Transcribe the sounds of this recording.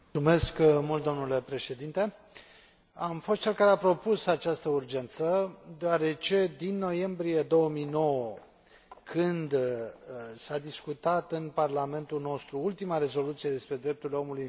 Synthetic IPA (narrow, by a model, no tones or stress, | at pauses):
ume̞skmult̪̚d̪o̞mnule̞pɾe̞ʃe̞d̪int̪e̞ | amfo̞st̪̚t͡ʃe̞lkaɾeapɾo̞pusat͡ʃast̪əurd͡ʒe̞nt̪səd̪eoaɾe̞t͡ʃe̞d̪inːo̞je̞mbɾije̞d̪o̞wəmijno̞wə | kʰɨnd̪ | sad̪iskut̪at̪ɨnparlame̞nt̪ulno̞st̪ɾuult̪imaɾe̞zo̞lut̪sijed̪e̞spɾe̞d̪ɾe̞p̚t̪uɾrleo̞muluj